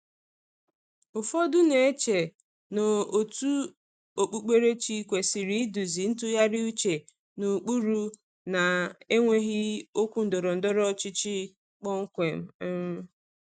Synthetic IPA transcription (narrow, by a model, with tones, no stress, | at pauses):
ʊ˨fɔ˦dʊ˦ne˨e˦t͡ʃe˨ | no˨o˨tu˦ | o˨k͡pu˨k͡pe˦ɾe˦t͡ʃi˦˨kʷe˨si˨ɾi˨˦du˨zi˨n̩˦tʊ˦ja˦ɾɪ˦u˦t͡ʃe˨ | nu˨k͡pu˦ɾu˦ | na˨e˦ŋʷe˦ɣɪ˦o˦kʷu˦n̩˨dɔ˨ɾɔ˨n̩˨dɔ˦ɾɔ˦t͡ʃɪ˦t͡ʃi˦ | k͡pɔ˦ŋ̩˦kʷe˨m̩˦